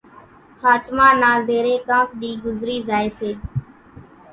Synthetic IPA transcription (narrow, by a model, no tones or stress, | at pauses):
haːt͡ʃmãːnãːzeːɾeːkãːk̚ɗ̪iːɡʊzɾiːzaːeːseː